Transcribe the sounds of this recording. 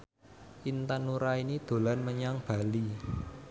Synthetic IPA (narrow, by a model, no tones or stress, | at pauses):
ʔint̪anuɾainid̪̥o̤lanməɲaŋb̥a̤li